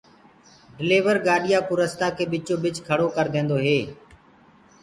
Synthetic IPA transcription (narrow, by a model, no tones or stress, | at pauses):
ɖɪleːʋəɾɡaːɗɪjaːpʊɾəst̪aːkʰeːɓɪt͡ʃoːɓɪt͡ʃkʰəɽoːkəɾd̪ẽːnd̪oːɦeː